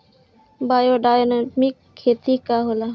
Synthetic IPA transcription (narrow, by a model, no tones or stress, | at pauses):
baːjoɖaːjonmikʰːeːt̪ikaɦola